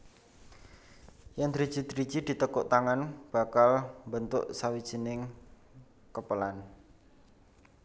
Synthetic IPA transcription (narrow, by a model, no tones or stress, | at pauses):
jand̪ɾid̥d͡ʒ̥id̪ɾid̥d͡ʒ̥id̪̥i̤t̪əkʊʔt̪aŋanb̥a̤kalmbənt̪ʊ̰ʔsawid̥ʒ̥i̤nɪŋ | kəpəlan